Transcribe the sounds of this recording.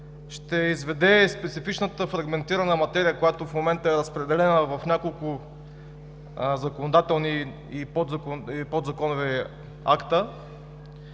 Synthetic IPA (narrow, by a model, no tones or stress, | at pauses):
ʃt̪ɛizvɛd̪ɛspɛt̪sifit͡ʃnət̪əfɾɐɡmɛnt̪iɾɐnəmɐt̪ɛɾijəkojat̪ofmomɛnt̪əɛɾəspɾɛd̪ɛlɛnəvɐfnʲakolˠkʊ | zɐkonod̪at̪ɛlˠni | ipod̪zkipod̪zɐkɔnovi | a̰kt̪ə